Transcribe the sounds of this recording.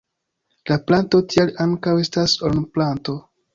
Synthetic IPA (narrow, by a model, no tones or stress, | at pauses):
laplanto̞tʰialaŋkawe̞stasolnuplanto̞